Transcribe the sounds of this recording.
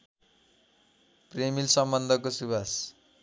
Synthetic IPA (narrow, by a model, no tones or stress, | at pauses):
premilsʌmbʌnd̪ʱʌkosubas